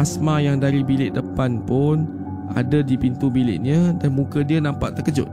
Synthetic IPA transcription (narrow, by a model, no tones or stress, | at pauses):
asmãjaŋdaɾibilɪʔdəpanpʊn | a̰dadipint̪ubilɪ̰ʔɲədanmũkədiənãmpa̰ʔt̪ːəkəd͡ʒʊ̰t̪̚